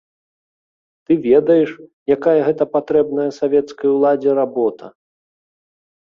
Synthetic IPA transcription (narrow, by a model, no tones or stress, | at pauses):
t̪ɨvʲɛd̪ɐjɛʂjakajɐɣɛt̪ɐpat̪ɾɛbnɐjɐsavʲɛt̪skɐjulˠad͡zʲɛɾabɔt̪ɐ